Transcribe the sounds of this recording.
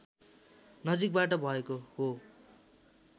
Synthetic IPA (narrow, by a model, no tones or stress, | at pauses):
nʌd͡zik̚baʈʌbʱʌekoɦo